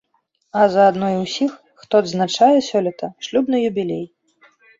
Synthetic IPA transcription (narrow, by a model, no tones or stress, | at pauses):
ɐzɐːd̪nɔjwsʲixːt̪ɔd̪znat͡ʂajɛsʲɔlʲit̪ɐʂlʲubnɨjubʲilʲej